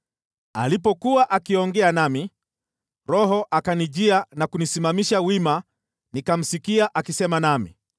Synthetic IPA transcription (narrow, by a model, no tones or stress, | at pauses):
a̰lipɔkuwaʔakiɔŋɡɛanami | ɾɔhɔʔakaniʄianakunisimamiʃawima | nikam̩sikiaʔakisɛmanamḭ